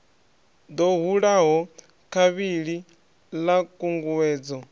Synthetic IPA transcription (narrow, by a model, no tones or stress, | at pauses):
d̪ɔɦuɺaɦɔ | kʰaβiɺi | lakʼuŋɡuwɛːd͡zɔ